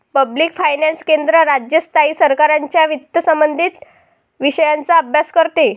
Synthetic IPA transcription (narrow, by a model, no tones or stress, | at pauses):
pəbliːkfajnãnskend̪ɾəɾad͡ʑjəst̪ʰaiːsəɾkaɾaɲt͡ɕjaʋit̪ːəsəmbənd̪ʱit̪ | ʋiɕəjãnt͡saəbʱjaskəɾt̪e